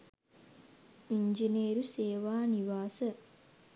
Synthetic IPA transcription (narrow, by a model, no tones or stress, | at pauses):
iɲd͡ʒineːɾuseːʋaːniʋaːsə